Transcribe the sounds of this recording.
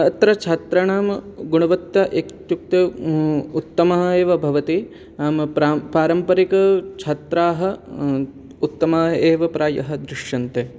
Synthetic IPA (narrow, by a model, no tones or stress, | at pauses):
ɐt̪ɾɐt͡ʃʰɐt̪ɾɐɳaːmɡuɳɐʋɐt̪jɐʔekt̪juk̚t̪ɐ | ut̪ːɐmɐɦɐeːʋɐbʱɐʋɐt̪i | aːmɾapaːɾɐmpɐɾikɐt͡ʃʰɐt̪ɾaːɦɐ̆ | ut̪ːɐmaːeːʋɐpɾaːjɐ̰ɦɐ̆d̪ɾɪʂjɐnt̪eː